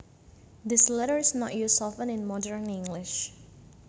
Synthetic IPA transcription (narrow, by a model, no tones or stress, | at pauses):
d̪ɪslɛɾəɹɪsnɔtjusɔfə̃nɪ̃nmɔdəɹnɪ̃ŋɡlɪʃ